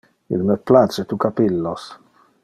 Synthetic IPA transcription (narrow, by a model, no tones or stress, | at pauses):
ḭlməplat͡ʃet̪ukapilːos